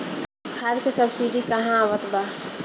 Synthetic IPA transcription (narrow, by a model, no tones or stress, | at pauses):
hʰaɾkesəbsiɖikɐɦãʋət̪ba